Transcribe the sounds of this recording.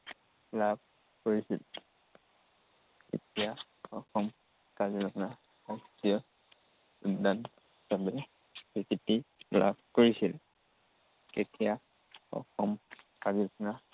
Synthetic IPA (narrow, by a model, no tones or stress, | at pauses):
lab̚ | koɹisḭl | kḛtija | ɔkʰɔm | kazikʰna | ɔktiɔ | udan | sabɛ | bikitila̰bkoɹisil | ketija | ɔ̰kʰɔm | kazikʰna